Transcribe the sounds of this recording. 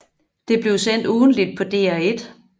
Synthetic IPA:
d̥e̝b̥le̝ʊsen̰d̥uːn̩lid̥̚pʰɒ̽d̥e̝̰ːæed̥

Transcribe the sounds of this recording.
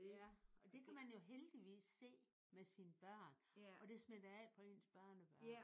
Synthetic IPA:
ɒ̽d̥e̝kʰæmænjo̝ɦeld̥iʋḭːsːe̝̰ː | mesinəb̥ɶɐ̰nʔɒ̽d̥e̝smed̥ɐɛ̰pʰɒ̽e̝nsb̥ɶɐ̰nəb̥ɶ

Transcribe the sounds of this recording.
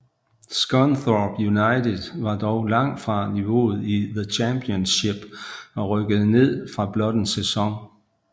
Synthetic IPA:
sɡ̥ɒnθɔb̥junɑ̈ɪd̥ʰeð̥ˠʋɑ̈d̥ɒʊlɑ̈ŋ̰d̥fʁɑ̈niʋo̝̰ːð̩ˠiðət͡ɕʰæmpʰiɔnsɕe̝b̥ɒ̽ʁœɡ̥əð̞̩ˠəne̝ð̰ˠfʁɑ̈b̥lɒ̽d̥ən̩sesɒ̽ŋ

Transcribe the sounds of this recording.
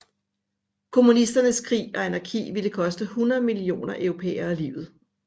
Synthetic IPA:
kʰo̝munisd̥ɐnəskʰʁḭːɒ̽enɐkʰḭːʋiləkʰɒ̽sd̥əhunɐð̩ˠmilio̝̰ːnɐʔœʊʁo̝pʰḛːɐælḭʊð̩ˠ

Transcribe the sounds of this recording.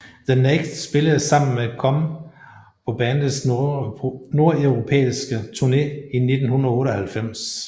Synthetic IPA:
ð̥əneɡ̥sb̥e̝ləð̩ˠsɑ̈m̰n̩meækʰɒ̽m | pʰɒ̽b̥ɛːn̩s | no̝ɐ̰eʊʁopʰḛːisɡ̥ət͡sʰuɐne̝ːine̝d̥n̩hunʁ̩ˠɔ̽ːɾɒhælfem̰s

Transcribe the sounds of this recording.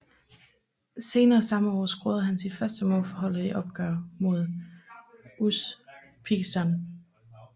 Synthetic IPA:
se̝ːnɐːsɑ̈məɒ̰ːsɡ̥ʁoːð̩ˠɦænsid̥fɶɐsd̥əmɔ̰ːlfɒɦɒ̽l̰ð̩ˠiʔɒ̽b̥̚ɡ̥ɶːɐmo̝ð̞ˠ | uspʰiɡ̥sd̥æn

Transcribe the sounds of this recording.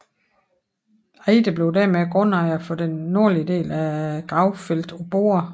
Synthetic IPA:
ḛːd̥əb̥le̝ʊd̥æɐ̰meæɡ̥ʁɔ̽n̰ɑ̈ɪɐfɒ̽d̥enːo̝ɐliəd̥e̝̰ːlæɡ̥ʁɑ̈ʊfel̰d̥ob̥o̝̰ːɐ

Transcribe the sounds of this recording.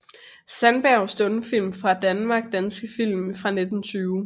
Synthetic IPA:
sænb̥æɐʊsd̥ɔ̽nəfil̰mfʁɑ̈d̥ænmɑ̈ːɡ̥̚d̥ænsɡ̥əfil̰mfʁɑ̈ne̝d̥n̩t͡sʰyːʊ

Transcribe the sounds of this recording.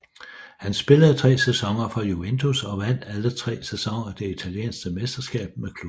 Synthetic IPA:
hænsb̥e̝ləð̩ˠt͡sʰʁɛ̰ːsesɒ̽ŋɐfɒjuent͡sʰosɒ̽ʋæn̰ælət͡sʰʁɛ̰ːsesɒ̽ŋɐd̥e̝it͡sʰæljḛːnsɡ̥əmesd̥ɐsɡ̥ɛ̰ːb̥̚mekʰlu

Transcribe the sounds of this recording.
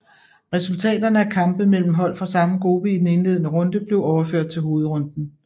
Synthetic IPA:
ʁɛsult͡sʰɛ̰ːd̥ɐnəækʰɑ̈mb̥̩mel̰m̩ɦɒ̽l̰fʁɑ̈sɑ̈məɡ̥ʁob̥əid̥ene̝nle̝ðˠənəʁɔ̽nd̥əb̥le̝ʊɒʊɐføɐ̰d̥̚t͡sʰe̝lɦo̝ːð̞̩ˠʁɔ̽nd̥n̩

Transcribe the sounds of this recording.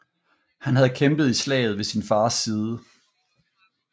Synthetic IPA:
hænhæð̞̩ˠkʰemb̥ð̞̩ˠislɛ̰ːɪð̞̩ˠʋe̝sinfɑ̈ːsiːð̞ˠə

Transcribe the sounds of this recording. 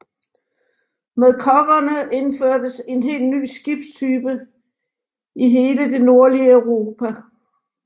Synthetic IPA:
meðˠkʰɒɡ̥ɐnəʔe̝nføɐ̰d̥əse̝nɦe̝̰ːld̥ny̰ːsɡ̥ib̥t͡sʰyːb̥ə | iɦe̝ːləd̥e̝no̝ɐliəœʊʁo̝ːpʰæ

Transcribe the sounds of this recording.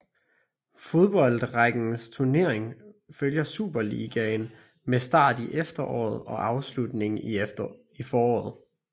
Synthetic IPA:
fo̝ð̞ˠb̥ɒ̽l̰d̥ʁaɡ̥n̩st͡sʰuɐne̝ɐ̰eŋføljɐsṵːb̥ɐlḭːɡ̥æn | mesd̥ɑ̰̈ːd̥iʔefd̥ɐʔɒ̰ːð̩ˠɒ̽ʔɑ̈ʊslud̥ne̝ŋ | ifɒːɒ̰ːð̞̩ˠ

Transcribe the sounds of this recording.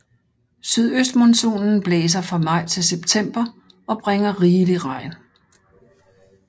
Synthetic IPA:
syð̞̰ˠøsd̥monso̝̰ːnn̩b̥leːs̬ɐfʁɑ̈mɑ̈ɪ̰t͡sʰe̝lseb̥t͡sʰem̰b̥ɐ | ɒ̽b̥ʁeŋɐʁiːliʁɑ̈ɪ̰n

